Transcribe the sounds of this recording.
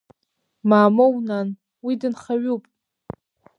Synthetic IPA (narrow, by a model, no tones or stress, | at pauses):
maːmownan | widɨnχaɥupʼ